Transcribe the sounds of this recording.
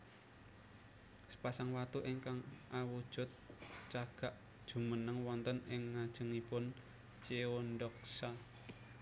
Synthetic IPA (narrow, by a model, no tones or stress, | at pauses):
sə̥pasaŋwat̪uʔɪŋkaŋʔawud̥ʒ̥ʊt̪̚t͡ʃaɡ̥a̤ʔ | d̥ʒ̥ṳmənəŋwɔnt̪ənɪŋːad̥ʒ̥ə̤ŋipʊn | t͡ʃeonɖɔk̚sa